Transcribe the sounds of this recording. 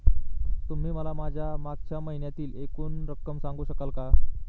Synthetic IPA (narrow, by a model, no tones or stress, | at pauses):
t̪um̤iːməlamad͡ʑʱjamaɡ̚t͡ɕjaməɦinjat̪iːlekuːnɾəkːəmsãŋɡuːɕəkalka